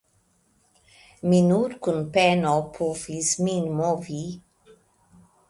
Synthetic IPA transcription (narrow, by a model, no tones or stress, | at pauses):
minuɾkunpɛnɔpʰofisminmovi